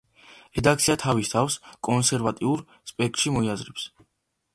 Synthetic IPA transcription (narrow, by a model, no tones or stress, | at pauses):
ɾɛd̪akt̪sʰiat̪ʰavist̪ʰafskʼɔnsɛɾvat̪ʼiuɾ | spʼɛkʼt̪ʼʃimɔiazɾɛps